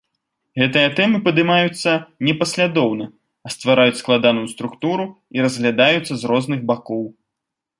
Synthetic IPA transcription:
ɣɛt̪ɨjɐt̪ɛmɨpɐd̪ɨmajut̪sːɐnʲɛpɐsʲlʲad̪ɔwnɐ | ɐst̪vaɾajut͡sʲsklˠad̪anujust̪ɾukt̪uɾuiɾɐzɣlʲad̪ajut̪sːɐzɾɔznɨɣbakɔw

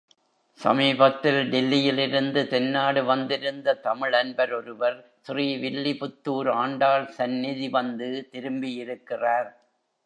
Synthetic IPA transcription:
sɐ̰miːbɐt̪ːɪlɖɪlːɪjɪlɪɾɯnd̪ɯt̪ɛnːaːɽɯʋɐnd̪ɪɾɯnd̪ɐt̪ɐmɪɻɐnbɐɾɔɾɯʋɐɾsʊriʋɪlːipʊt̪ːuːɾaːɳɖaːlsɐnːɪðiʋɐnd̪ɯt̪ɪɾɯmbijɪɾɯkːɪraːɾ

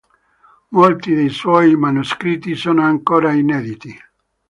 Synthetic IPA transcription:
molt̪id̪ejswɔjimanuskɾit̪ːisoːnoaŋkoːɾainɛd̪it̪i

